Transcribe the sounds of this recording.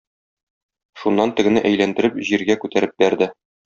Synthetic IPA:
ʃunːɑnt̪ɘ̆ɡɘ̆nɘʔæjlænd̪ɘ̆ɾɘpʑiɾɡækʉt̪æɾɘp̚bæɾd̪ɘ

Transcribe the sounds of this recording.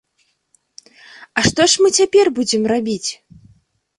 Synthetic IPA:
ɐʂt̪ɔʂmɨt͡sʲapʲɛrbud͡zʲɛmrabʲit͡sʲ

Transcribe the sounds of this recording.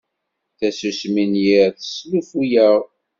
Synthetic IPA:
θæsusminjiɾθə̥slufujæʁ

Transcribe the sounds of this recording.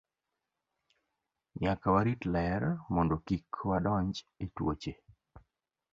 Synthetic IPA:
ɲakawaɾitlɛɾmɔndɔkikʰwadɔɲd͡ʒetwo̰t͡ʃe

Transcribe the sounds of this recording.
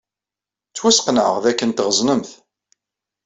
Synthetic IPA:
t͡sːwæsqnə̰ʁðækːənt̪ʁəznəmθ

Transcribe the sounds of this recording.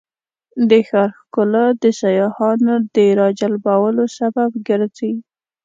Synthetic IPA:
d̪əxɑɾxkʊlad̪əsajɑhɑnod̪əɾɑd͡ʒalbɑwəlosababɡəɾzi

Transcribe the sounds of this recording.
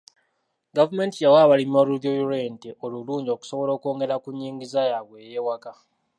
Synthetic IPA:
ɡavume̞ntijawaːβalimoluðjojuɾenteʔoluluːɲɟoku̥soβo̞lo̞ːkoːŋɡeɾakuɲːiːŋɡizajaβweːjeːwaka

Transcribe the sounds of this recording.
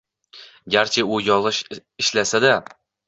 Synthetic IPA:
ɡʲaɾt͡ʃʰeʊjɒlˠɪʃɪʃlasad̪a

